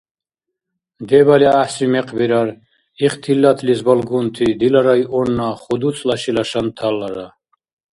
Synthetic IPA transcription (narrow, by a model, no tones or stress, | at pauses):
d̪ɛbaliaħsɾimɛqʼbiɾaɾ | iχt̪ʰilːat̪ʰlizbalɡunt̪ʰid̪ilaɾajʔɔnːaχud̪ut͡sʼlaʃilaʃant̪ʰalːaɾa